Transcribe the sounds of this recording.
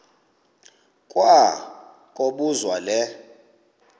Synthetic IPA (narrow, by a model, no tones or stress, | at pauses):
kʼwa | kʼoɓuzwalɛ